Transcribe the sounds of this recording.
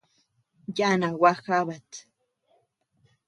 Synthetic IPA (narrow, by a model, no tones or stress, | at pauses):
janawaxaβat̪